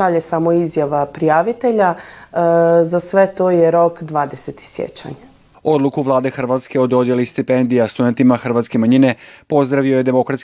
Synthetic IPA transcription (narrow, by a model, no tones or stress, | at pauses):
aʎesamo̞izjaʋapɾijaːʋit̪e̞ʎa | zasʋe̞t̪oːjeɾo̞kd̪ʋaːd̪eset̪i̥sjḛt͡ɕa̰ɲ | o̞d̪lˠukuʋlˠaːd̪e̞xr̩ʋat̪skeod̪o̞d̪je̞list̪ipend̪ijast̪ud̪e̞nt̪imaxr̩ʋat̪ske̞maɲine̞po̞zd̪ɾaʋio̞je̞d̪emo̞kɾat̪s